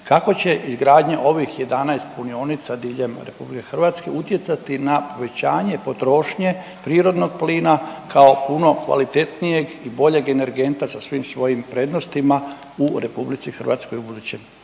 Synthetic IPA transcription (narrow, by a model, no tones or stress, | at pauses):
kako̞t͡ɕe̞ʔizɡɾaːd̪ɲeʔo̞ʋixje̞d̪anajst̪̚punio̞ːnit̪sad̪iːʎe̞mɾe̞publike̞xrʋat̪ske̞̰ut̪je̞t̪sat̪inapo̞ʋe̞t͡ɕaːɲe̞po̞t̪ɾo̞ʃɲe̞ | pɾiːɾo̞d̪no̞ɡpliːnakao̞puno̞kʋa̰lit̪e̞t̪nije̞ɡibo̞ʎe̞ɡene̞ɾɡe̞nt̪asasʋiːmsʋo̞jimpɾe̞ːd̪nost̪imauɾe̞publit̪sixr̩ʋa̰t̪sko̞jubud̪uːt͡ɕem